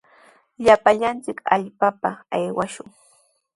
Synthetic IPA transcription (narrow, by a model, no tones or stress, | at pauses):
ʎapaʎant͡sɪka̰ʎpapaajwaʃʊŋ